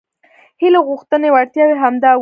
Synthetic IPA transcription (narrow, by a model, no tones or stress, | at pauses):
hiloɣuxt̪ənewaɽt̪jɑweɦamd̪ɑ